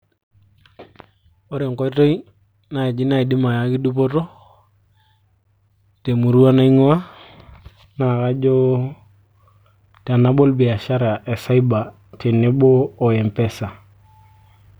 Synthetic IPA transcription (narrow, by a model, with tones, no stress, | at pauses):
o˦ɾe˨ŋko˦i˦to˦i˦ | na˨i˨d͡ʒi˦na˦i˨di˦ma˨ja˦ki˦du˦p̬o˦to˦ | te˨mu˨ɾu˦a˦na˦i˦ŋo˦wa˦ | na˨ka˦d͡ʒo˦ | ta˨na˦bo˦lbi˨a˨ʃa˦ɾa˨ʔe˨sa˦i˦ba˨ | te˨ne˦boː˦˨ɛ˨mpɛ˦sa˨